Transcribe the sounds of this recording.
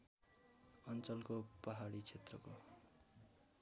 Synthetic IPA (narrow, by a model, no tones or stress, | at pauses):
ʌnt͡sʌlkopaɦaɽit͡sʰet̪rʌ̰ko